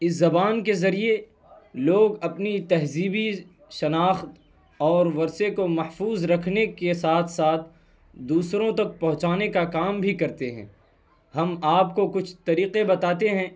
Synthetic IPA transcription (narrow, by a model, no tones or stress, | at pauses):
ɪs̬zɐbaːnkezɐɾie | loːɡɐpnit̪ɐɦziːbi | ʃɐnaːxt̪ | ɔːɾʋɐɾsekomɐhfuːzɾɐkʰnekesaːt̪ʰsaːt̪ʰ | d̪uːsɾõt̪ɐk̚pɐ̃ɦʊ̃t͡ʃaːnekakaːmbʱikɐɾt̪eɦɛ̰̃ː | ɦɐmaːp̚kokʊt͡ʃʰt̪ɐɾiːqebɐt̪aːt̪eɦɛ̃ː